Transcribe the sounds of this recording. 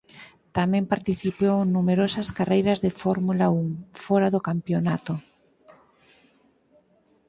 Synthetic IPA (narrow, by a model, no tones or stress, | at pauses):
t̪amɛ̃mpaɾt̪iθiponumeɾosɐskarejɾɐzðefɔɾmulauŋfɔɾaðokampjonat̪o